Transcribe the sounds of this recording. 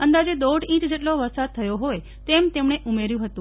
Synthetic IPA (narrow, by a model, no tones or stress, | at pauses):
ənd̪ad͡ʒed̪oɽĩt͡ʃd͡ʒeʈloʋəɾsad̪̚t̪ʰəjoɦoj | t̪emt̪emɳeʔumeɾjũɦət̪ũ